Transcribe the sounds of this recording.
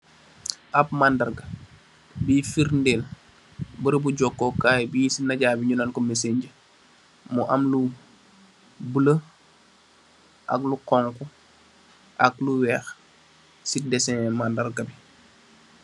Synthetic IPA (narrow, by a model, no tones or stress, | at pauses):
ʔɐp̚mandɐrɡɐ | biːfiɾndel | bəɾbuɟɔkːɔkaːjbisinɐɟaːbiɲunɐnkɔmeseɲɟə | muʔɐmlu | bulə | ʔɐ̰kluqɔːŋku | ʔɐkluwɛːx | sidɛsɛmandɐrɡɐbi